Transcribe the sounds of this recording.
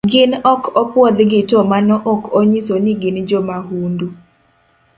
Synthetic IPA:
ɡɪnɔkʰɔpwɔd̪ɡɪtɔmanɔʔɔkoɲisonɪɡɪnd͡ʒomaɦundu

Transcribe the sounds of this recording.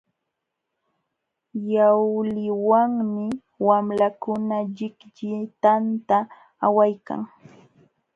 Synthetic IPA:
jawlɪwaŋmɪ | wamlakʊnaʎɪkʎɪt̪ant̪aː | wajka̰ŋ

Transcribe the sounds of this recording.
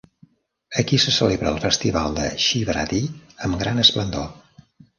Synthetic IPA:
əkisəsəleβɾəːlˠfəst̪iβalˠd̪ə̰ʃiβɾa̰t̪iəmɡɾanəsplənd̪o

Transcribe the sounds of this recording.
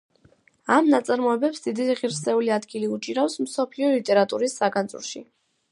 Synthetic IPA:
amnat̪sʼaɾmɔɛbɛpsd̪̥id̪iʁiɾsɛuliad̪ɡiliut͡ʃʼiɾafsmsɔpʰliɔlit̪ʼɛɾat̪ʼuɾisːaɡanzʼṵɾʃḭ

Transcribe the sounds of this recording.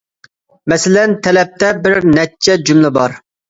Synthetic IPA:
mɛsɪlɛnt̪ʰɛlɛp̚t̪ɛbɪɾnɛt͡ʃʰːɛd͡ʒymlɪbɑ̰ɾ

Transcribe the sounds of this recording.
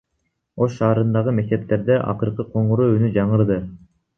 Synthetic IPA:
o̞ʃʃɑːɾɯnd̪ɑʁɯme̞k̚t̪e̞p̚t̪e̞ɾd̪e̞ʔɑ̰qɯɾqɯqʰo̞ɴuɾuynyd͡ʒɑɴɯɾd̪ɯ

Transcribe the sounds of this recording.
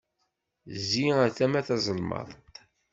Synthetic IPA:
ziæθæmæθɑzˤəlmɑ̰ðˤ

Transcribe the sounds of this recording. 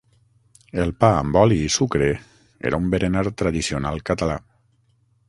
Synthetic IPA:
elˠpaə̰mbɔliːsukɾe | ḛɾaumbeɾenaɾt̪ɾaðisionalˠkat̪ala

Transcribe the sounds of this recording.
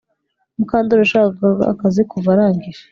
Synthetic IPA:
mukaːndoɾoʃaːkakaa̰kazekuvaɾaːŋɡiɾa

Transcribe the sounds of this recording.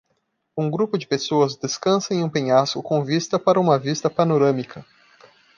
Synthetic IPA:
ũɡɾupʊd͡ʒɪpesoɐzd̪eskɐ̃sɐ̃ẽj̃ũpẽɲaskʊkõvist̪ɐpaɾɐũmɐvist̪ɐpanoɾɐ̃mikʰɐ

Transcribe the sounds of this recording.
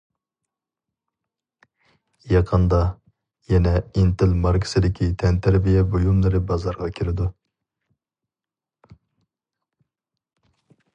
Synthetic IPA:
jɑqʰənd̪ɑ | jɛnɛint̪ɪlmɑɾkʰɨ̥sɨd̪ɪkʲʰit̪ʰɛnt̪ʰæɾbijɛbojumlˠɨɾɨbɑzɑɾʁɑkʲʰiɾɪd̪u

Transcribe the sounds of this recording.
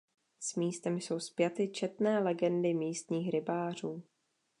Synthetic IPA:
smiːst̪ɛmjso̞wspjat̪ɪt͡ʃɛt̪nɛːlɛɡɛndɪmiːst̪ɲiːxɾɪbaːr̝uː

